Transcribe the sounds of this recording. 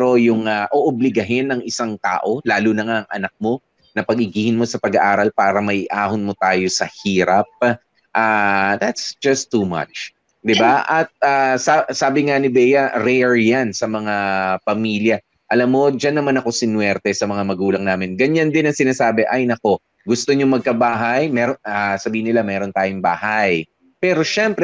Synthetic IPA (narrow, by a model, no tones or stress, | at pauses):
ɾo̞jʊŋaʔoʔʊblɪɡɐɦɪnːɐŋɪsaŋt̪a̰ːʔo̞laːlunɐŋaʔɐŋʔɐ̰nɐk̚mo̞ | nɐpɐɡɪɡiːhɪnmo̞sɐpɐɡɐʔaːɾɐlpaːɾɐmɐjʔaːhʊnmo̞t̪aːjosɐhiːɾap̚ | ʔaːd̪at̪sd͡ʒɐst̪ːuːmɐ̰t͡ʃ | d̪ɪbaʔɐt̪̚asasaːbɪŋanɪbɛjɐɾɛɹjansɐmɐŋapɐmiljɐ | ʔɐlamːo̞d͡ʒɐnːɐmanɐko̞sɪnwɛɾt̪ɛsɐmɐŋamɐɡuːlɐŋnaːmɪnɡɐɲand̪ɪnɐŋsɪnaːsaːbɛʔɐjnɐko̞ | ɡʊst̪o̞ɲomɐɡ̚kɐbaːɦɐjmɛɾonasɐbiːhɪnɪlamɛːɾo̞nt̪aːjoŋba̰ːhaj | pɛːɾo̞ʃɛmpɾɛ